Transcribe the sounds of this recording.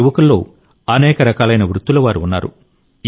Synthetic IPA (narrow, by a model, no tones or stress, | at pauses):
uʋɐkulːo̞̰ː | ɐnɛːkɐɾɐkaːlɐjnɐʋɾut̪ːulɐʋaːɾuunːa̰ːɾṵ